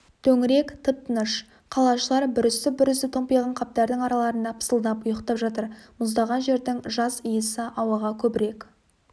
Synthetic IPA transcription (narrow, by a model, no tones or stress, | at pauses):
t̪ʰɵŋɪɾe̞kt̪ʰəp̚t̪ənəʃ | qʰɑlˠɑʃəlˠɑɾbʏɾʏst̪ɪbʏɾʏst̪ɪt̪ʰompijʁɑɴqʰɑp̚t̪ɑɾd̪ɪŋɑɾɑlˠɑɾənɑpʰə̥səlˠd̪ɑpʊjəqt̪ɑpʒɑt̪əɾmʊzd̪ɑʁɑnʒe̞ɾd̪ɪŋʒɑzəjəsəʔɑwɑʁɑkʲʰɵbɪɾe̞k